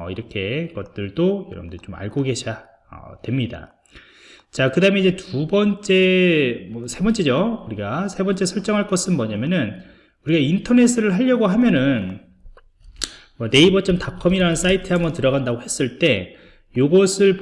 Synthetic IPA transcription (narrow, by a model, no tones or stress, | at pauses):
ʌiɾʌkʰe̞ɡʌt̚t͈ɯɭdojʌ̰ɾʌbndɯɾit͡ɕoma̰ɭɡoɡe̞ɕʰija | ʌ̰dwe̞mɲida̰ | t͡ɕakɯdaɯme̞id͡ʑe̞tubʌnt͡ɕ͈e̞mʌsʰe̞bʌnt͡ɕ͈e̞d͡ʑouɾiɡasʰe̞bʌnt͡ɕ͈e̞sʰʌɭt͡ɕ͈ʌŋɦaɭk͈ʌsʰɯnmʌɲamjʌnɯn | uɾiɡaintʰʌne̞s͈ʰɯɾɯɭɦaʎːʌɡoɦamjʌnɯn | mwʌne̞ibʌt͡ɕ͈ʌmtakʰʌmiɾanɯns͈aitʰɯhambʌntɯɾʌɣandaɡohe̞s͈ɯɭt͈e̞ | joɡʌsʰɯɭp